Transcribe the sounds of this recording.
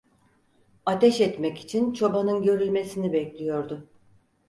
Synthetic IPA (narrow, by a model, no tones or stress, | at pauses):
at̪ʰɛʃɛt̪mɛci̥t͡ʃʰint͡ʃʰo̞banɯnɟø̞ɾylʲme̞sinibɛclʲijo̞ɾd̪ʊ